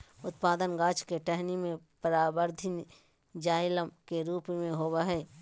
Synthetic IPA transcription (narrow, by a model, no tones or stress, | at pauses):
ʊt̪paːd̪ənɡaːt͡ʃkeʈɛɦnimẽpəɾaːbəɾd̪ʱɪn | d͡ʒaːɪləmkeɾuːpmẽɦoːwaɦɛː